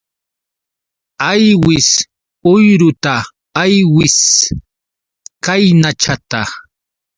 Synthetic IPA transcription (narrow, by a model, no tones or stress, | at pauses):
ajwɪs | ʊjɾʊt̪aː | jwɪs | kajnat͡ʃat̪a